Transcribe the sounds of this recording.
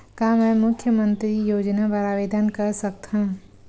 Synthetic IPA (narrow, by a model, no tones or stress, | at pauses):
kamɛ̃mʊkʰjəmə̃nt̪ɾijoːd͡ʒnaʋaɾaːʋeːd̪ənkɐɾsɐkt̪ã